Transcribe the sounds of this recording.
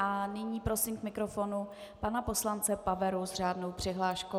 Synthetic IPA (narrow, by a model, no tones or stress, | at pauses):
ʔanɪɲiːpɾo̞siːmkmɪkɾofonu | panapo̞slant͡sɛpavɛɾuzr̝aːdno̞wpr̥ɪɦlaːʃko